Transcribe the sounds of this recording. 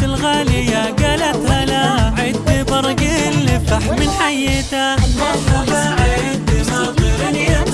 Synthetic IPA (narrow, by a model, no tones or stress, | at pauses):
ɪlɣaːlijaɡalat̪alaʕɪt̪ːibɑɾˤɡɪlːɪt̪aħmɪnħajːeːt̪a | ʕ | t̪